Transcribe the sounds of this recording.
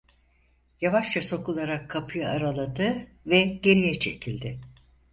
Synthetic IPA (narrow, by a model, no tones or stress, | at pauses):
javaʃt͡ʃʰaso̞kulˠaɾakʰːapʰɯjɯaɾalˠad̪ɯ | vɛɟe̞ɾijɛt͡ʃʰe̞cʰilʲd̪ɪ